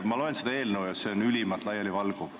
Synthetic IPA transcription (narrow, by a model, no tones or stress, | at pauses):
mɑlo̞ensed̪ɑe̞ːlnəwjɑse̞onylʲimɑt̪lɑjːɑlivɑlɡ̥u